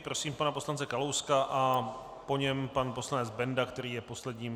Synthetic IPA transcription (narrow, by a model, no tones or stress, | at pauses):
pɾo̞siːmpanapo̞slant͡sɛkalowskaʔa | po̞ɲɛmpanpo̞slanɛd͡zbɛndakt̪ɛɾiːjɛpo̞slɛdɲiːm